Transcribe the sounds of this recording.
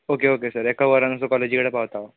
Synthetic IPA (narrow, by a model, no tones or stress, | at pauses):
okeokesəɾekaʋəɾanəs̬ɔkɔled͡ʑikəɽapaʋt̪aʋa